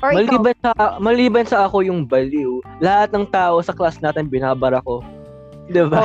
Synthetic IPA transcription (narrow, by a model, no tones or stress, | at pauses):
mɐliːbɐnɐɐmɐliːbɐnsɐʔɐko̞jʊŋbɐliwlɐhat̪̚nɐŋt̪aːʔo̞sɐklasnaːt̪ɪnbɪnaːbɐɾɐko̞ | d̪ɪba